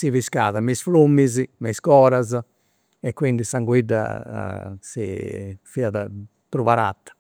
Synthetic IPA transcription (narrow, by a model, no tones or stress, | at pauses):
siviskaːðamisflumːizimɛskɔːɾaz | ɛkːwind̪isaŋɡwid̪a̰ | sḭfiaða | t̪ɾuvaɾa̰t̪ːḁ